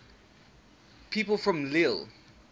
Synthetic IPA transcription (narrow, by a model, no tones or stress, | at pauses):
pʰiːˑpəlˠfɹə̃mlilˠ